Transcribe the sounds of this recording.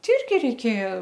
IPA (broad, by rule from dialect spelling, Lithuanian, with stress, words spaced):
ˈtʲɪ ˈɪrʲɡʲɪ rʲɛɪˈkʲeːjɛ